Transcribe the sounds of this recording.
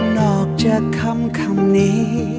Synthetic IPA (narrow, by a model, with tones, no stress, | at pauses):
nɔː˨˩k̚t͡ɕaː˨˩kʰːa˧˥mkʰa˧˩mni˧˦